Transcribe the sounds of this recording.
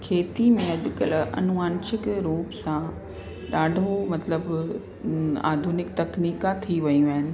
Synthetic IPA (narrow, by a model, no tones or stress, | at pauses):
kʰeːt̪imẽɐʄʊkɐlʔɐ̰nʊaːnʃɪkɾuːpsã | ɗaːɖʱomɐt̪ləb | a̰ːd̪ʱunɪkt̪ɐkniːkat̪ʰiʋɐjĩaːɦɪnɪ̆